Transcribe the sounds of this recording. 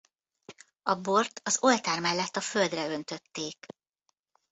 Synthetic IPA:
ɒbo̞rt̪ɒzo̞lt̪aːrmɛlːɛt̪ːɒføld̪rɛø̞nt̪ø̞t̪ːeːk

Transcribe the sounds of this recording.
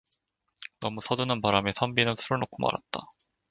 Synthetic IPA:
nʌmusʰʌdunɯnpaɾamesʰambinɯnsʰuɾɯɭnok͈ʰuma̰ɾa̰t̚t͈a

